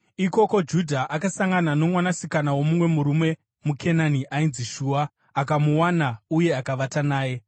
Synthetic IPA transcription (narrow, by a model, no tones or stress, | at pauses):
iko̞ko̞d͡ʒudʱaʔakasaŋɡanano̞mwanasikanawo̞mumwe̞muɾume̞ | mukʰe̞naniʔainziʃuːwaː | kamuwanauje̞akaʋatanaːje̞